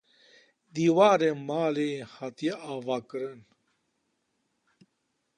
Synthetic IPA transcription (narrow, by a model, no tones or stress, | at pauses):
d̪iːwaːɾemaːlehat̪eaːvaːkəɾən